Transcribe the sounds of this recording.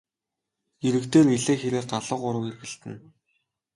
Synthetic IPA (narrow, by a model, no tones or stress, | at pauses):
eɾɘ̆kt̪eːriɮeːxeɾɘ̆ːr̚ɢaɮə̆ːqʊɾə̆werɣɘ̆ɬt̪ɘ̆n